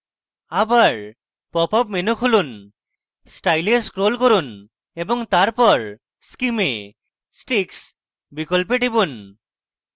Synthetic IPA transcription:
abaɹ | pɔpɔp̚menukʰulun | sʈajleskɹolkoɾun | ebɔŋt̪aɹpɔɹ | skime | sʈiks | bikɔlp̬eʈibun

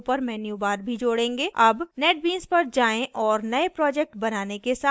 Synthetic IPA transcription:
pəɾmɛːnjubaːɾbʱid͡ʒoːɽẽːŋɡeːɐbnɛːʈ̚bĩːnzpɐɾd͡ʒaːẽʔɔːɾnɐepɾɔːd͡ʒɛk̚ʈbɐnaːnekesaː

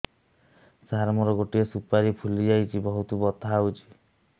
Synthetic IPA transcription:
saɾmɔɾɔɡoʈiesupaɾipʰulid͡ʒajt͡ʃʰibɔɦut̪ubɔt̪aawt͡ʃʰi̥

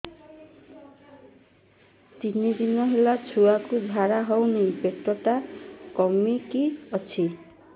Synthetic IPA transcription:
t̪inid̪inɔɦelat͡ʃʰuakud͡ʒʱaɾaɦɔwnepeʈɔʈakɔmikiɔt͡ʃʰi

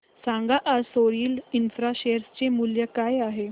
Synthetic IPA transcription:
sãŋɡaʔaɾsoɾiːlinfɾaɕeɾst͡ɕemuljəkaːjaɦe

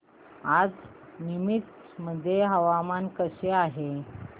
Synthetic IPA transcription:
ad͡z | nimit̪ | məd̪ʱːjeɦəʋamankəɕeaɦe

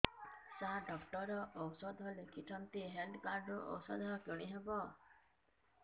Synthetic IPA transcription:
saɦaɖɔkʈɔɾɔʔːwsɔd̪ʱɔlekʰiʈʰɔnt̪iɦelɖkaɾɖɾuʔɔ̰wsɔd̪ʱɔkoɽ̃iɦebɔ

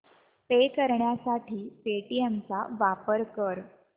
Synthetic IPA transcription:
pekəɾɳjasaʈʰiːpeʈiemt͡sa̰ʋapəɾkəɾ

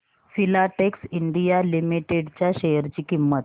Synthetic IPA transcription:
silaʈeksiɳɖijalimiʈeɖt͡ɕjaɕejəɾt͡ɕiːkimːət̪

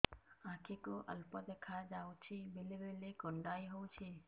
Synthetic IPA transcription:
ãkʰikoʔə̰lpɔd̪ekʰad͡ʒawt͡ʃʰibelebelekɔɳɖajɦowt͡ʃʰe

